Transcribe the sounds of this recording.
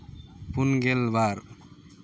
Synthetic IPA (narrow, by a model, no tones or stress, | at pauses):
punɡelbaːɾ